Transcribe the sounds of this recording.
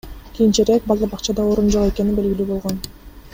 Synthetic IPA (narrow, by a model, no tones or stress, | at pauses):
kʲijint͡ʃeɾek̚bɑlˠd̪ɑbɑqt͡ʃɑd̪ɑoɾund͡ʒo̞qe̞ke̞ninbe̞lɡʲilyːbo̞lˠʁo̞n